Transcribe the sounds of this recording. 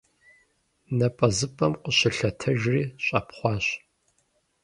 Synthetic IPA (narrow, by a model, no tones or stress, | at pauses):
nɐpʼɐzɨpʼɐmqəɕɪɬɐtʰɐʒriːɕʼɐ̰ːpχʷɑːɕ